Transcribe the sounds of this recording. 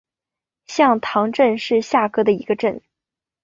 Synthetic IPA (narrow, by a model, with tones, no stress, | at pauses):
ɕjɑ˥˩ŋt̪ʰɑ˧˥ŋʈ͡ʂə˥˧nʂɻ̩˥˧ɕja˥˩kɤ˥d̪ə˨i˧˥ɡə˧ʈ͡ʂə˥˩n